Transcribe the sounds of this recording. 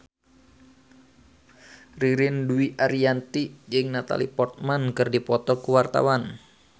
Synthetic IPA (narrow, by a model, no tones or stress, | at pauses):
riɾɪnduiʔaɾiant̪id͡ʒɨŋnat̪a̰lḭpɔrt̪̚mankɨrdipɔt̪ɔkuwart̪a̰wan